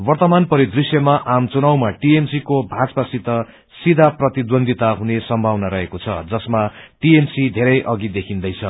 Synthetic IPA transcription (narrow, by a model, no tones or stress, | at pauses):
wʌrt̪ʌmanpʌɾid̪risjʌmaʔamt͡sunawmaʈiemsikobʱat͡spasit̪ʌ | sid̪ʱaprʌt̪id̪wʌnd̪ʱit̪aɦunesʌmbʱawnaɾʌɦekot͡sʰʌ̰d͡zʌsmaʈiemsid̪ʱeɾʌjʔʌɡid̪ekʰind̪ʌjt͡sʰʌ